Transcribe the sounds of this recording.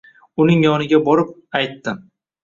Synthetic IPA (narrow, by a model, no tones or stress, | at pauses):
ʊnɪŋjɒnɪɡʲabɒɾɪp̚ajt̪ːɪm